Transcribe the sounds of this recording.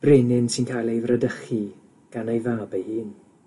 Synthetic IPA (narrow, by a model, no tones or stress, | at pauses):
b̥reːnɪnsɪnkʰaːjlˠejvrədəχi | ɡ̥anejvaːbəjhiːn